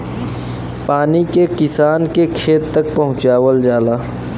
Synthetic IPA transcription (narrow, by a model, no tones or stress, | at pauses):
paːnikekɪsaːnkekʰeːt̪ːɐk̚pɐɦʊ̃t͡ʃaːwəld͡ʒaːlaː